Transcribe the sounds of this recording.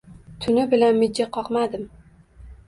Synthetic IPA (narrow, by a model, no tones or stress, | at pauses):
t̪ʰʊnɪbɪlanmɪd͡ʒːaqʰɒqmad̪ɪm